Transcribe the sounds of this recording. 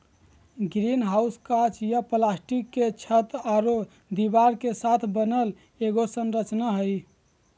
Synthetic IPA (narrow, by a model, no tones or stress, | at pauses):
ɡɾinɦauskat͡ʃjaplasʈikːet͡ʃʰət̪aɾo | d̪ibaɾkesat̪ʰbənəl | eɡosənɾət͡ʃnaɦəj